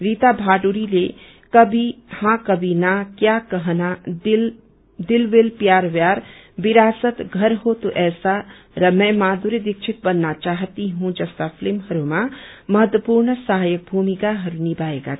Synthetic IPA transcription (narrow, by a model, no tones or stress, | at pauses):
ɾit̪abʱaːɖuɾile | kəbʱihãkəbʱinakjakəɦna | d̪ɪlbelpjaːɾʋjaːɾ | biɾaːsət̪ɡʱəɾɦot̪oʔɛːsa | ɾəməjmaːd̪uɾed̪ɪk̚t͡ʃʰit̪̚bənːat͡ʃaɦt̪iɦũd͡ʒəst̪apʰlimɦəɾumãməɦət̪wəpuɾnsəɦaːjək̚bʱumikaɦəɾunibaːeɡa̰